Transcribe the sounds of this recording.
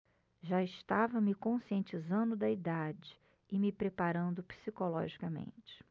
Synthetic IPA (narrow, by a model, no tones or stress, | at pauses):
ʒaɪʃt̪avɐmɪkõsiẽnt͡ʃizɐ̃nd̪ʊd̪ɐid̪ad͡ʒɪ | ɪmɪpɾepaɾɐ̃nd̪ʊpi̥sikolɔ̰ʒikɐmḛ̃nt͡ʃɪ̥